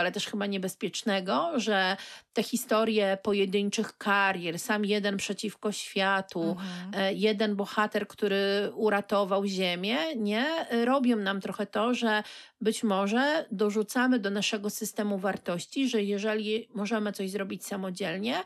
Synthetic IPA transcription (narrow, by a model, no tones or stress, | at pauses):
alɛt̪ɛʂxɘbaɲɛbɛspʲjɛt͡ʂnɛɡɔʐɛt̪ɛxʲist̪ɔɾjɛpɔjɛd̪ɘɲt͡ʂɘxkaɾʲjɛɾsamjɛd̪ɛnpʂɛt͡ɕifkɔɕfʲjat̪u | jɛd̪ɛnbɔxat̪ɛɾkt̪uɾɘuɾat̪ɔvawʑemʲjɛɲɛɾɔbʲjɔ̃w̃namt̪ɾɔxɛt̪ɔʐɛ | bɘt͡ɕmɔʐɛd̪ɔʐut̪samɘd̪ɔnaʂɛɡɔsɘst̪ɛmuvaɾt̪ɔɕt͡ɕiʐɛjɛʐɛlʲimɔʐɛmɘt̪ɔʑzɾɔbʲit͡ɕsamɔd͡ʑɛlɲɛ